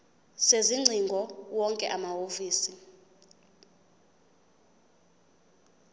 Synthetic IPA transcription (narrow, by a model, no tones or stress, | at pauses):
seziŋ͡ǀʱiŋɡʱɔwɔŋkʼɛʔamaofiːsi